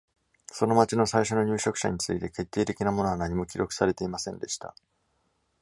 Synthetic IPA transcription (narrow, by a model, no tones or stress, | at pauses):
so̞no̞mat͡ɕino̞saiɕo̞no̞ɲ̟ɨːɕo̞kɯ̟̥ɕa̰ɲ̟it͡sɨit̪e̞ke̞t̪ːe̞ːt̪e̞kʲinamo̞no̞anaɲ̟imo̞kʲiɾo̞kɯ̟̥saɾe̞t̪e̞imasẽ̞nd̪e̞ɕi̥t̪a̰